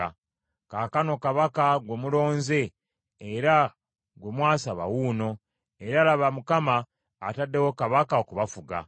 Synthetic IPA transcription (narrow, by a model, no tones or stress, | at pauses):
a | kakano̞kaβakaɡwemulo̞ːnze̞ː | ɾa | ɡwe̞mwaːsaβa̰wuːno̞ | eɾaːlaβamukamaː | tadːe̞wokaβakaokuβafuɡa̰